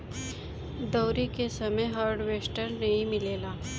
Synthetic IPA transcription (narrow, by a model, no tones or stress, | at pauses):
d̪ɔːɾikesɐməjɦaːɾɖweːsʈəɾnɐɦĩmɪleːlaː